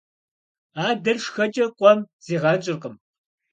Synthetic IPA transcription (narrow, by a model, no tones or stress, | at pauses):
aːdɐrʂxɐt͡ʃʼɐqʷʼɔmz̥iːʁɑːt͡ʃʼɪrqəm